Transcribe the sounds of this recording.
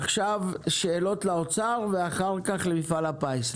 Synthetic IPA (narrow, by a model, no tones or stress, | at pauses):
χʃavʃe̞ːlo̞t̪laot͡saʁveaχaʁkaχlemifalapajs